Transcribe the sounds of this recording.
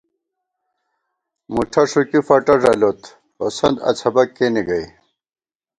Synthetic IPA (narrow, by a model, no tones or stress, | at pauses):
muʈʰɐʂukifɐʈɐʐɐlot̪ | osɐnd̪ɐ̰t͡sʰɐbɐkːeniɡɐj